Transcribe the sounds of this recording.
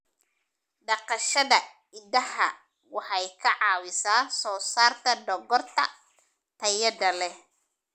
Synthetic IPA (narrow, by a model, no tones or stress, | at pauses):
ɖɑqɑʃɐðɐ | ɪd̪ɐhɐ | wɑħɑjkʰɐʕɑːwɪsaːsɔːsaːrt̪ʰɐɖɔɡɔrt̪ʰɐ̰ | t̪ʰɐjɐd̪ɐlɛ